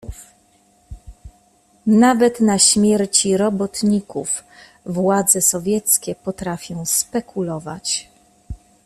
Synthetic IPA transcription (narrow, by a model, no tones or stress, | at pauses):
navɛt̪naɕmʲjɛɾt͡ɕiɾɔbɔt̪ɲikuf | vwad̪zɛsɔvʲjɛt̪skʲɛpɔt̪ɾafʲjɔ̃w̃spɛkʰulɔvat͡ɕ